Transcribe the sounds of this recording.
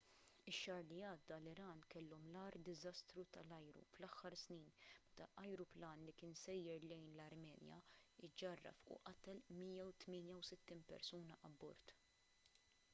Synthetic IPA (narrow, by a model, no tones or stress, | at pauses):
ɪʃːɐːɾliɐːd̪ːɐlɪɾɐːnkɛlːɔmlɐːɾd̪ɪzɐst̪ɾut̪ɐlɐjɾṵflɐħːɐɾsniːnmɛt̪ɐʔɐjɾuplɐːnlikɪːnsɛjːɛɾlɛjnlɐɾmɛːnjɐ̰ɪd͡ʒɐrːɐ̰fʊ̰ʔɐt̪ɛlmiːjɐwt̪mɪːnjɐwsɪt̪ːiːnpɛ̰ɾsuːnɐʔɐbːɔ̰ɾt̪